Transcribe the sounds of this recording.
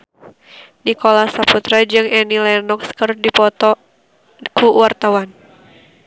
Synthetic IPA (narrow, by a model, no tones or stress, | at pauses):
nikɔlasaput̪ɾad͡ʒɨŋɛnilɛnɔkskərdipɔt̪ɔ | kuwart̪awan